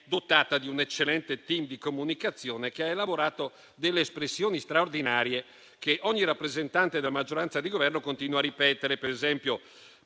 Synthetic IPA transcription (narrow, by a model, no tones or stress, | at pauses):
d̪ot̪aːt̪ad̪iunet͡ʃːelːɛnt̪et̪imd̪ikomunikat̪sːjoːnek̟eaelaboɾaːt̪o | d̪elːeːspɾesːjoːnist̪ɾaord̪inaːɾje | keʔɔɲːiɾapːɾezent̪ant̪ed̪elamad͡ʒːoɾant̪sad̪iɡovɛrnokont̪iːnwaɾipɛːt̪eɾepeɾezɛmpjo